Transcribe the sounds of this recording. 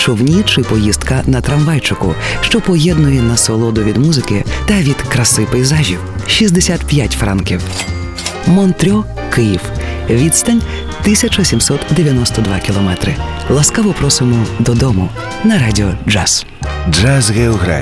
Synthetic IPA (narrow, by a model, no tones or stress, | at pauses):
t͡ʃɔwnʲit͡ʃɪpɔjizt̪kɐnɐt̪ɾɐmʋajt͡ʃʊkʊ̰ʃt͡ʃɔpɔjɛd̪nʊjɛnɐsɔlˠɔd̪ʊʋʲid̪muzɪkɪt̪ɐʋʲid̪kɾɐsɪpejizaʒʲiwʃizd̪esʲat̪pʲjatʲfɾa̰nkʲiw | mɔnt̪ɾʲɔ | kɪjiwʋʲid̪st̪ɐnʲ | t̪ɪsʲɐt͡ʃɔsʲimsɔt̪d̪eʋʲjɐnɔst̪ɔd̪ʋakʲilˠɔmɛt̪ɾɪ̰ | lˠɐskaʋɔpɾɔsɪmɔd̪ɔd̪ɔmʊ | nɐɾadʲiɔd͡ʒaz̥ | d͡ʒazɣeɔɣɾa̰